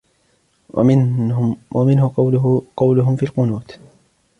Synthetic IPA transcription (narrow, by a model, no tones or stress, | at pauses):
wamɪnɦʊqɑwlʊɦʊmfiːlqʊnuːt̪